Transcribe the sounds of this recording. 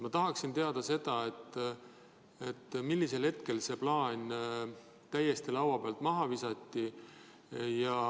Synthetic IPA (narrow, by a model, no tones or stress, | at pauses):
mɑt̪ɑɦɑksint̪e̞ɑd̪̥ɑse̞d̪̥ɑe̞t̪ːˑ | e̞t̪ːmilʲːise̞lhe̞t̪ke̞lse̞plɑːnʲ | t̪æjːe̞st̪ilɑwɑpeɑlt̪ˑmɑɦɑvisɑt̪ʲːi | jɑ